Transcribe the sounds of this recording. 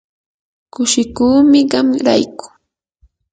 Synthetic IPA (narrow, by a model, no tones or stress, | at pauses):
kʊʃɪkuːmɪɢɑmɾa̰jkʊ̥